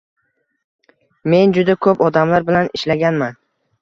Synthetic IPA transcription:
me̞nd͡ʒʊd̪akʰɵpɒd̪amlaɾbɪlanɪʃlaɡʲanman

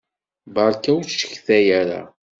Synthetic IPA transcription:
bɑɾˤkæwʃə̥çθæjæɾa̰

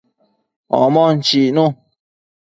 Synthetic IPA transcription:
ɔ̰̃mɔ̃n̩t͡ʃiʔnũ

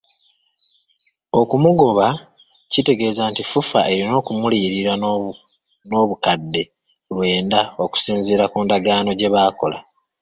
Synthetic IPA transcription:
o̞kumuɡo̞βa | cite̞ɡe̞ːzantifufaʔe̞ɾino̞ːkumuliɾiɾa | no̞βukadːe̞ | lwe̞ːndao̞ku̥siːnzeɾakuːndaɡaːno̞ɟe̞βaːko̞la

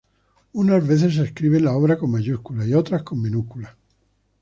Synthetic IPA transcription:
unazβe̞θe̞s̬eskɾiβ̞enlao̞β̞ɾako̞mmaʝuskulaio̞t̪ɾasko̞mːẽnukula

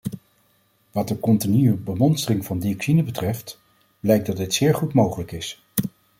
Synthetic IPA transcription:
ʋɑd̚dəkɔntinyəbəmɔnstərɪŋvɑndiɔksinəbətrɛft | b̥lɛjk̚dɑdɪtsɪːɹχutmowχələkɪs

